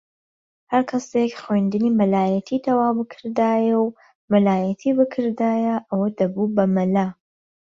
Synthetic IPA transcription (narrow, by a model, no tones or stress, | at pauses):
hɐɾkʰɐsekxwend̪ɨniːmɐlaːjɐt̪ʰit̪ʰɐwaːwbɨkʰɨɾd̪aːjɐw | mɨlaːjɐt̪ʰibɨkʰɨɾd̪aːjɐʔɐwɐd̪ɐbubɐmɐla